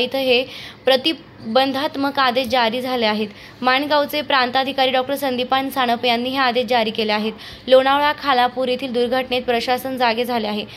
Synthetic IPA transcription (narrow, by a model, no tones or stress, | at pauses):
it̪ʰəɦepɾət̪i | bənd̪ʱat̪məɡad̪et͡ɕd͡ʑaɾiːd͡zʱaleaɦet̪ | maɳɡawt͡sepɾant̪ad̪ʱikaɾiːɖɔk̚ʈəɾsənd̪ipansaɽ̃əpjanːiːɦead̪et͡ɕd͡ʑaɾiːkeleaɦet̪ | loɽ̃aʋɭakʰalapuɾet̪ʰiːld̪uɾɡʱəʈnet̪̚pɾəɕasənd͡zaɡed͡zʱaleaɦe